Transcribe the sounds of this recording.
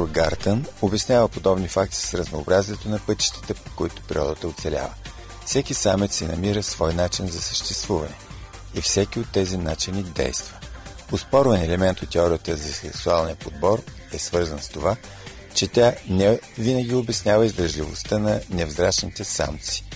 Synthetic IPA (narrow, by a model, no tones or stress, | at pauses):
ɡaɾt̪ənobɛsnʲavəpod̪ɔbnifak̚t̪i̥sɾəznoːbɾaziɛt̪onɐpɤt̪i̥ʃt̪ɛ̥t̪ɛpokoit̪ʊ̥pɛɾʲḭɔ̰d̪ət̪əot̪sɛlʲa̰və | fsɛkisamit̪sinɐmiɾəsvɔjnat͡ʃinzɐsə̥ʃt̪ɛst̪vuvɐ̰nɛifsɛk̟iot̪ːɛzinat͡ʃinid̪ɛ̰jst̪və | ospɔɾvənɛlɛmɛnt̪ot̪ːɛɔɾijət̪əzɐsɛksualˠniəpod̪̚bɔɾ | ɛsvɤɾzənst̪ova | t͡ʃɛt̪ʲanɛvinəɡ̟iobɛsnʲavəizd̪ɾəʒlivo̰st̪ənɐnɛvzɾaʃnit̪ɛsa̰mt̪si̥